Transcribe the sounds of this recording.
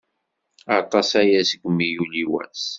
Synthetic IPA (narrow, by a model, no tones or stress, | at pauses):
ɑt̪ˤɑsæjæsəɡʷmːijuliwæ̰s